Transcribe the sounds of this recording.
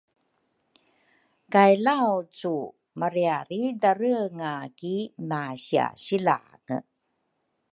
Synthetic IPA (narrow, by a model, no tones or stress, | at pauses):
kajlawt͡su | maɾiaɾidaɾəəŋakimaɕia̰ɕila̰ | ŋə̰